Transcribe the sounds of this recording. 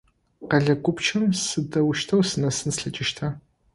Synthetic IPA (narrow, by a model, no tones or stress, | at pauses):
qɐɮɐɡʷʊpt͡ʃʰɨmsɨdɐwʃtʰɐwsɨnɐsɨnsɬɐt͡ʃʼɪʃtʰa